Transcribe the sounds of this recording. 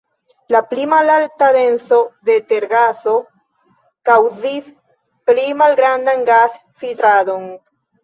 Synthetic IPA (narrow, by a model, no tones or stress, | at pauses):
laplimalaltadenso̞d̪e̞t̪eɾɡaso̞ | kawzis | plimalɡɾand̪anɡas | filt̪ɾado̞n